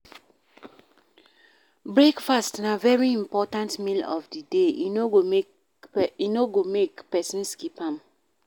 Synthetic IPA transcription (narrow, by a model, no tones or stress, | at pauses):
bɹekfastnavɛɹiĩmpɔtãntmilɔ̰fdideinoo | inoɡomekpɛsĩnskipãm